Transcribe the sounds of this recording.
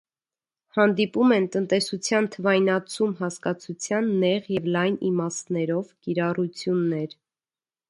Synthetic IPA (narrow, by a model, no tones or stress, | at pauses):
hɑnd̪ipumɛnt̪ənt̪ɛsut͡sʰjɑnt̪ʰəvɑjnɑt͡sʰumɦɑskɑt͡sʰut͡sʰjɑnːɛʁjɛvlɑjnimɑsnɛɾɔvkiɾɑrut͡sʰjunːɛɾ